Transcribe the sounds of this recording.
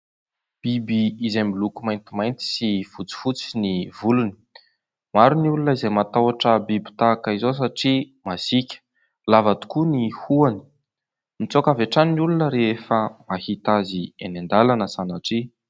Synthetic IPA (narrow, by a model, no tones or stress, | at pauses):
b̥ibiizambilukumajnt̪imajnt̪i̥sifut͡si̥fut͡sinivuluni̥ | maɾunulunəizejmat̪awaʈ͡ʂəbibi̥t̪akaizos̬aʈ͡ʂi | masikʲə̥ | lavat̪u̥kunihuani̥ | mit͡sokaveʈ͡ʂaninulunəɾeefəmahit̪azienand̪alanəsanaʈ͡ʂi